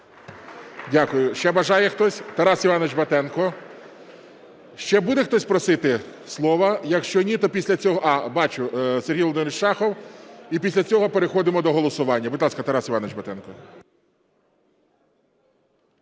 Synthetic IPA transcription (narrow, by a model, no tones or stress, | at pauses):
dʲakʊjʊʃt͡ʃɛbɐʒɑjɛxt̪ɔsʲt̪ɐɾɑsiʋɑnɔʋɪt͡ʃbɐt̪ɛnkɔ | ʃt͡ʃɛbud̪ɛxt̪ɔsʲpɾɔsɪt̪ɪslˠɔʋɐjɐkʃt͡ʃɔnʲit̪ɔpʲisʲlʲɐt͡sʲɔɦɔʔɑbɑt͡ʃʊseɾʲrɦijlˠɔd̪ɪnɾt͡ʃʃɑxɔwipʲisʲlʲɐt͡sʲɔɦɔpeɾexɔd̪ɪmɔd̪ɔɦɔlˠɔsʊʋɑnʲːɐbud̪ʲlˠɑskɐt̪ɐɾɑsiʋɑnʋɪt͡ʃbɐt̪ɛnkɔ